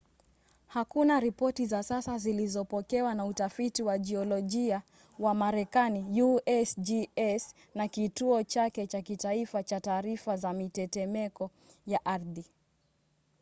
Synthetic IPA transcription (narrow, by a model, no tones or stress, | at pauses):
hakunaɾipɔtizasasazilizɔpɔkɛwanautafitiwad͡ʒiɔlɔʄia | wamaɾɛkanijuɛsd͡ʒiɛs | nakituɔt͡ʃakɛt͡ʃakitaifat͡ʃataːɾifazamitɛtɛmɛkɔ | jaʔaɾði